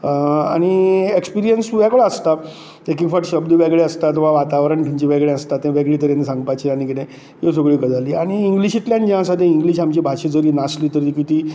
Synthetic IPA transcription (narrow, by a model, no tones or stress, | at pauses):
a̰ɽ̃iekspiɾijənsuʋɛɡɭaəst̪a | ekikfaʈɕəbd̪əʋɛɡɭeəst̪at̪ɔʋaʋat̪aʋɾəɳʈ̪ʰiɲt͡ɕiʋɛɡɭẽəst̪at̪ːẽʋɛɡɭiːt̪əɾjanːisãŋɡpajt͡ɕiañikit̪ẽ | josəɡɭiːkəd͡zaliːaɽ̃iːŋɡliɕiʈ̪ljãnd͡ʑãəsad̪ẽiŋɡliːɕamt͡ɕibʱaɕed͡zəɾiːnasliːt̪əɾikit̪iː